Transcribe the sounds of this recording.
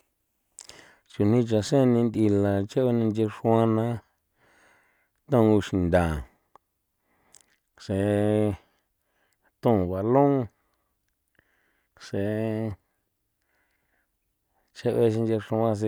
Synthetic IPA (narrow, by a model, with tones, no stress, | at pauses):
t͡ʃu˧n̥ĩ˧t͡ʃa˧sẽ˦˧nĩ˧nd̪i˧la˨t͡ʃe˦βe˧nĩ˧nd͡ʒe˧ʂũ˧a˦nã˦ | t̪ã˦˧u˧ʃi˧˨nd̪ã˨ | se˨ | t̪õ˦˨βa˨lõ˦ | se˧ | t͡ʃe˦ʔβe˧ʃ̬i˧nd͡ʒe˧ʂũ˧˦ã˧s̬e˧